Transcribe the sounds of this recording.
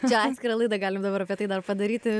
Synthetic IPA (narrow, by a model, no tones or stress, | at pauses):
t͡ʃaskɾɐlˠɨd̪ɐɡalʲimd̪ɐvɐɾɐpɛt̪ɐid̪aɾpɐd̪ɐɾit̪ɨ